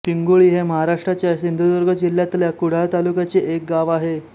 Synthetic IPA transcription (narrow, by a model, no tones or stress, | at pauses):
piŋɡuɭiːɦeməɦaɾaʂʈɾat͡ɕjaɕind̪ʱud̪əɾɡəd͡ʑiljat̪ljakuɽ̤alt̪alukjat͡seʔek̚ɡaʋaɦe